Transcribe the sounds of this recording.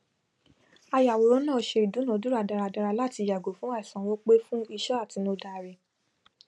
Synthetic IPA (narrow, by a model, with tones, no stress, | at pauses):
a˧ja˨wo˨ɾo˨˦nãː˦˨ʃe˧i˨du˨˦nã˨˦du˦ɾa˧˨da˧ɾa˧da˧ɾa˧la˦˨ti˧ja˨ɡo˨fũ˦a˦˨sã˨wo˦k͡pe˦fũ˦i˧ʃɔ˦a˦˨ti˨˦nũ˧˦da˧˨ɾe˨